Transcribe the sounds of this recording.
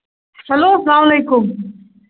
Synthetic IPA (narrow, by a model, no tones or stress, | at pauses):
sɐloːsɐlaːmɐleːkʊm